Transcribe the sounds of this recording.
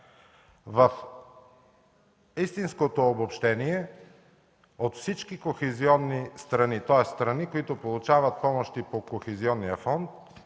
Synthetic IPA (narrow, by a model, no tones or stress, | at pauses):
vɐf | ist̪inskot̪oːbopʃt̪ɛniɛ | ot̪fsit͡ʃkikoxɛziɔnːist̪ɾɐnit̪ɔɛsst̪ɾɐnikoit̪ʊpolˠʊt͡ʃavət̪̚pɔmoʃt̪ipokoxɛziɔnːijəfɔnt̪̚